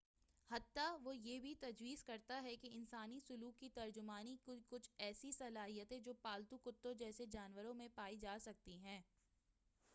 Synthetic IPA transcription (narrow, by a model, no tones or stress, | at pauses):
hɐt̪ːaʋojeːbʱit̪ɐd͡ʒʋiːzkɐɾt̪aɦɛkeɪnsaːnisʊluːkːit̪ɐɾd͡ʒʊmaːnikkʊt͡ʃʰɛːsisɐlaːɦijət̪ɦɛ̃d͡ʒoːpaːlt̪ukʊt̪ːõd͡ʒɛːsed͡ʒaːnʋəɾõmẽpaːid͡ʒaːsɐk̚t̪iɦɛ̃ː